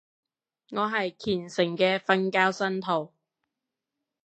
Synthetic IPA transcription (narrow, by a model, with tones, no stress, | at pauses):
ŋɔː˨˧ɦɐ˨jkʰiː˨˩nsɪ˨˩ŋkɛː˧fɐ˧nkaː˥wsɐ˥nt̪ʰo˨˩w